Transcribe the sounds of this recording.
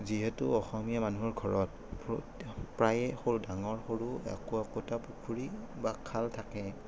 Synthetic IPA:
ziɦɛtuɔxɔmijamanuɦɔɹɡʱɔɹɔt̚ | pɔ | pɹajɛxoɹudaŋɔɹxoɹuɛ̰kɔɛkɔtapukʰuɹibakʰaltʰakɛ

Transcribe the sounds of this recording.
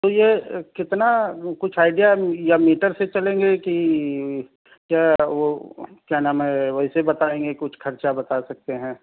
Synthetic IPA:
t̪ojekɪt̪nakʊt͡ʃʰaːɪɖijajamiːʈəɾset͡ʃɐlẽːŋɡeki | kjaːʋokjaːnãːmeʋɐɦɪsebɐt̪aːẽːŋɡekʊt͡ʃʰkʰɐɾt͡ʃabɐt̪asɐk̚t̪eɦɛ̃ː

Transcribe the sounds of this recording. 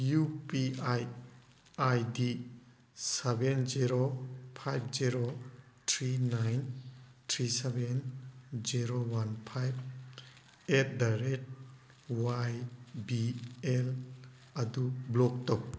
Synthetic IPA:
jupiaj | ajdi | sebenziɾopʰajb̚ʰziɾo | tʰɾinajntʰɾisebenziɾowanpʰajb̚ | et̚daɾet̚ | wajbiel | adublɔk̚tɔk̚

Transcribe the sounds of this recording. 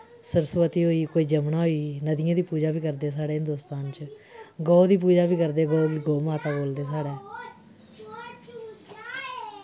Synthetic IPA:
səɾsʋət̪iːɦoːiːkoːiːd͡ʒəmɳaːɦoːiːnəd̪ɪjãːd̪iːpuːd͡ʒaːbiːkəɾd̪eːsaːɽeːɪnd̪oːst̪aːnt͡ʃ | ɡɔːd̪iːp̬uːd͡ʒaːbiːkəɾd̪eːɡɔːɡiːɡoːmaːt̪aːboːld̪eːsaːɽeː

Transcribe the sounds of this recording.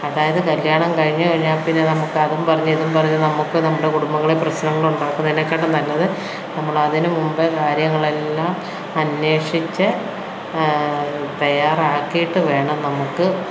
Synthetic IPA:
ɐðaːjɐðɨkɐljaːɳɐmkɐɻiɲːɨkɐɻiɲːaːpinːe̞nɐmukːɨɐðumpɐrɐɲːuiðumpɐrɐɲːunɐmukːɨnɐmːuɽekuɽumbɐŋːɐɭeprɐɕnɐŋːɐɭuɳɖaːkːuminːokːeːɳɖɐmt̪ɐlːɐðɨ | nɐmːɐɭɐðinɨmumbɐkaːɾjɐŋːɐɭe̞lːaːm | ɐnwe̞ːʂit͡ɕːɨ | p̪ejaraːkːijiʈːɨʋe̞ːɳɐmnɐmukːɨ

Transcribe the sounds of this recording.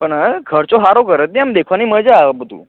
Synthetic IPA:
pəɳkʰəɾt͡ʃoɦaɾokəɾət̪̚nĩamd̪ekʰʋaniməd͡ʒabət̪ṵ̃

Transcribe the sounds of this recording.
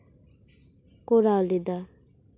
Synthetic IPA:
koɾalid̪a

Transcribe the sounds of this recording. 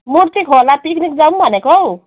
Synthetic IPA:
muɾt̪ikʰolapiknik̚d͡zawmbʱʌnekow

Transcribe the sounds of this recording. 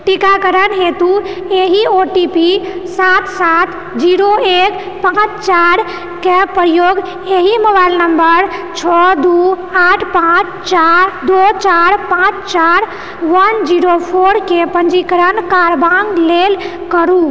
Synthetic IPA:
ʈikakəɾənɦet̪u | eɦioʈipisat̪sat̪ | d͡ʒiɾoek | pãt͡ʃt͡ʃaɾ | kepəɾjoɡ | eɦiməbajlnəmbəɾt͡ʃʰəd̪u | aʈʰpãt͡ʃ | t͡ʃaɾd̪ot͡ʃaɾpãt͡ʃʰt͡ʃaɾ | ʋənd͡ʒiɾopʰoɾkepəɲd͡ʒikəɾənkaɾbãŋɡlel | kəɾu

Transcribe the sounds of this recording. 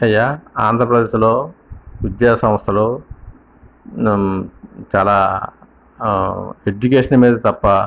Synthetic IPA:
ɐjːaːa̰ːnd̪ʱɾɐpɾɐd̪eːʃloːʋid̪jaːsɐ̃mɐst̪ʰɐloː | t͡ʃaːlaː | ed͡ʒukeːʂɐnmiːd̪ɐt̪ɐpːɐ

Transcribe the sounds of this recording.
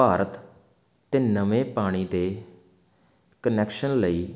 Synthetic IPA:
aːɾət̪ː | eːnəʋẽːpaːɽ̃iːt̪eː | kənɛːkʃənləiː

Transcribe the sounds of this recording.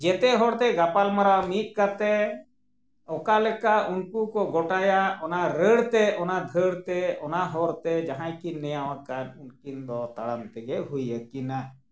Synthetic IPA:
d͡ʒɛt̪ɛɦɔɾt̪ɛɡapalmaɾawmit̪̚ˀkat̪ɛ | ɔkalɛkaunkukɔɡɔʈajaɔnaɾəɽt̪ɛɔnad̪ʱəɽt̪ɛɔnaɦɔɾt̪ɛd͡ʒaɦãjkinːɛjawakanunkind̪ɔt̪aɽamt̪ɛɡɛɦujəkina

